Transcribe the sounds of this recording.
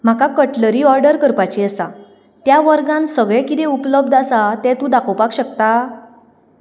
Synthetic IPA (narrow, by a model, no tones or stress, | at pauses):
m̤akakəʈləɾiːɔɾɖəɾkəɾpat͡ɕiəsa̰ | t̪jaʋəɾɡãnsəɡɭɛkit̪ẽupləb̚d̪asat̪ɛ̃t̪ũd̪akʰəwpakɕəkt̪a